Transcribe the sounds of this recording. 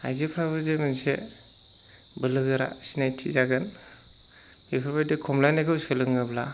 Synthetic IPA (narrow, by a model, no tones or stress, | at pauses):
a̰jzipʰɾabɯzemɯnse | bɯlɯɡɯɾa̰sinajtʰizaɡɯn | bipʰabajdɯkʰɔmlajnajkʰɯwskʰɯlɯŋɯbla